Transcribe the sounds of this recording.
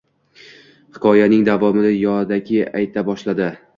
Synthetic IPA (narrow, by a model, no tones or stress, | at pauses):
hɪ̥kʰɒjanɪŋd̪avɒmɪd̪ajɒd̪aɡʲɪajt̪ʰabɒʃlad̪ɪ